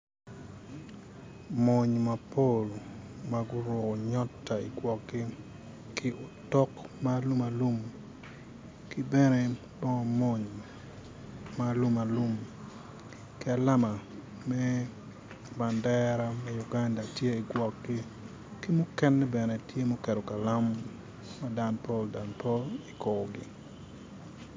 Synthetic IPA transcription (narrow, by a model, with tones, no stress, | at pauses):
mɔ˨ɲma˨po˦lmaɡʊ˦ɾwo˨ko˨ɲɔ˦tːa˨ḭ˨ɡwɔ˨k̚ɡɪ˦ | kɪ˦ʔo˨tɔ˦kmalu˦ma˨lu˦m | ki˦bɛ˦ne˦ | bɔ˦ŋɔ˨mo˦ɲ | malu˦ma˨lu˦m | kɪ˦a˨la˦ma˨ | mɛ˦ | ba˨ndɛɾa˦mɛ˦ju˨ɡa˦nda˨tje˦i˨ɡwɔ˨k̚ɡi˦ | ki˦mʊ˦kɛ˦nːɛ˦bɛ˨nɛ˨tʰje˦mo˦kɛ˨ɾo˨ka˨la˦mː | a˦da˨npo˦lda˨npo˦li˨ko˨ɡɪ̰˨